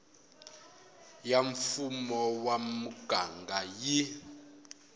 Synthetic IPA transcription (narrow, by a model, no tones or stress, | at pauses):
jaɱfumɔwamuɡ̥ʱaŋɡʱaji